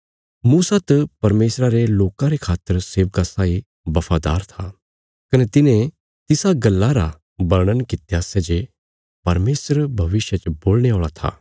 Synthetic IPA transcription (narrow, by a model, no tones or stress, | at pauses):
muːsat̪ɐpɐɾmeːsɾaɾeloːkãɾekʰaːt̪ːəɾseːʋkasaːi | bɐfʰaːd̪a̰ːɾt̪ʰa | kɐnɛt̪ɪnẽ | t̪ɪsaɡɐlːaɾa | bɐɾɽ̃ənkɪt̪jasɛd͡ʒe | pɐɾmeːsəɾbʱɐʋɪsjət͡ʃboːlñeoːɭat̪ʰa̰ː